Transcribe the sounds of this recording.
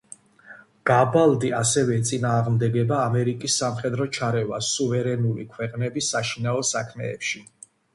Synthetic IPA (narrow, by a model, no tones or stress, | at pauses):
ɡ̥abalˠd̪iasɛvɛt̪sʼinaːʁmd̪ɛɡɛbaːmɛɾikʼisːamχɛd̪ɾɔt͡ʃʰaɾɛvasuvɛɾɛnulikʰwɛqʼnɛbisːaʃinaɔsakʰmɛ̰ːpʃi